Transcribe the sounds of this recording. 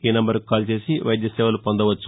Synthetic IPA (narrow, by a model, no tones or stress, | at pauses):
inɐmbɐɾkaːlt͡ʃe̞ːsiʋɐ̰jd̪jɐsɛːʋɐlupond̪ɐʋɐt͡ʃːu̥